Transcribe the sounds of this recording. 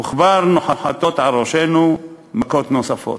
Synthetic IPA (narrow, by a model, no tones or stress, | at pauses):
muχvaɾnoħaħat̪o̞t̪ʕalɾoʃenu | makot̪nosafo̰t